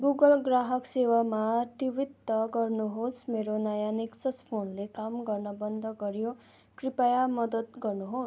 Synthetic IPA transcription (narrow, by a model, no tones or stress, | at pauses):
ɡuɡʌlɡraɦʌksewamaʈiwit̪ːʌɡʌrnuɦosmeɾonajaneksʌspʰonlekamɡʌrnʌbʌnd̪ʱʌɡʌɾjo | kripajamʌd̪ʌt̪̚ɡʌrnuɦos